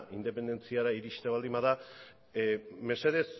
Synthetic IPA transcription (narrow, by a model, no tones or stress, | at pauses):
ʔind̪e̞pe̞nd̪e̞nt͡siaɾaiɾiʃt̪eβ̞ald̪imbaða | me̞se̞ðe̞s